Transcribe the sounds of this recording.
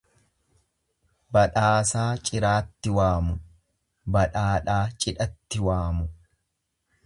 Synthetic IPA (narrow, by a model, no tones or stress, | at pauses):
bɐᶑaːsaːt͡ʃʼɪɾaːt̪ːɪwaːmʊ | bɐᶑaːᶑaːt͡ʃʼɪᶑɐt̪ːɪwaːmʊ